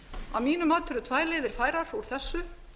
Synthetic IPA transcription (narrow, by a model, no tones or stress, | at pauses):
a̰wmiːnʏmaːt̪ʰʏɾʏt̪ʰvaːjɾleːðɪɾ̥faːjɾaɾ̥uɾ̥θɛsːʏ